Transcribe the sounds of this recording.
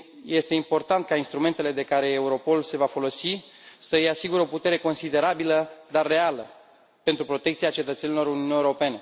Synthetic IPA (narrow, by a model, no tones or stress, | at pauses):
je̞st̪e̞impo̞rt̪ant̪̚kainst̪ɾume̞nt̪e̞le̞d̪e̞kaɾe̞ːuɾo̞po̞lse̞vafo̞lo̞sisəjasiɡuɾeo̞put̪e̞ɾe̞ko̞nsid̪e̞ɾabiləd̪arːe̞alə | pe̞nt̪ɾupɾo̞t̪ekt̪siat͡ʃe̞t̪ət̪se̞nilo̞ɾuniuniewɾo̞pe̞ne